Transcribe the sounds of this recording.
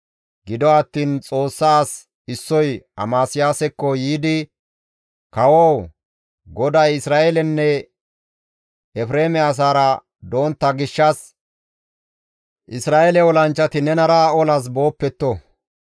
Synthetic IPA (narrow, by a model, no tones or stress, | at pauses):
ɡɪd̪ɔɐt̪ːiːnt͡sʼo̞ːsːaːs | ɪsːɔjɐ̰maːsɪjaːsɛkːɔjiːd̪ɪ | kɐwow | ɡɔd̪ɐjɪsɾaːɛlɛnːɛ | ɛfɾeːmɛas̬aːɾɐ | d̪o̞ːnt̪ːɐɡɪʃːɐs | ʔɪsɾaːʔɛlɛɔlɐnt͡ʃːɐt̪ɪnɛnɐɾaɔlɐs̬bo̞ːpːɛt̪ːɔ